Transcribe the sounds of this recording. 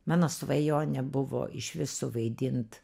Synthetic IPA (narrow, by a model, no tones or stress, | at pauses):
mɑːnoːsʊʋɐjoːnʲɛbʊʋo̰ːʔɪʃʲʋʲɪsʊʋɐɪd̪ʲɪnt̪